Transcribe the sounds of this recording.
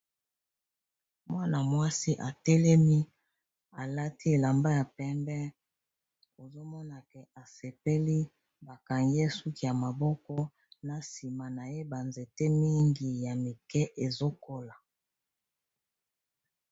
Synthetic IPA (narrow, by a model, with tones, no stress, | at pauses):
mwa˦na˨mwa˦si˦ʔa˨tɛ˦lɛ˦mi˦ | a˨la˦ti˦e˨la˨mba˦ja˨pɛ˦mbɛ˦ | o˨zo˦mɔ˦na˨kɛ˨a˨se˨pe˦li˦ | ba˨ka˨ŋɡɛ˦su˦ki˦˨ja˨ma˨bɔ˦kɔ˦ | na˨si˨ma˨na˨je˦ba˨nze˨te˦mi˦ŋɡi˨ja˨mi˨kɛ˦ʔe˨zo˦ko˦la˨